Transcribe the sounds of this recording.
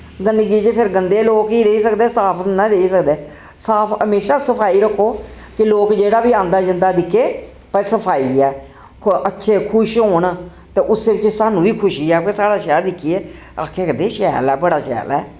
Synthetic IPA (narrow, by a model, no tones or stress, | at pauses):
ɡə̃nd̪əɡiːd͡ʒeːpʰɪɾɡənd̪eːloːkiːɾəiːsəkd̪eːsaːpʰnaɾəiːsəkd̪eː | saːpʰəmeːʃaːsəpʰaːiːɾəkʰːoː | kɪloːkd͡ʒeːɽaːbiːãːnd̪aːd͡ʒənd̪aːd̪ɪkʰːeː | pəɾsəpʰaːiːɛː | ətːʃʰeːkʰʊʃɦoːɳ | t̪eːʔʊsːeːbɪt͡ʃsaːnũːbiːkʰʊʃiːɛːpesaːɽaːʃɛːɾd̪ɪkʰːiːeː | a̰ːkʰeːkəd̪eːʃɛːlɛːbəɽaːʃɛ̰ːlɛ̰ː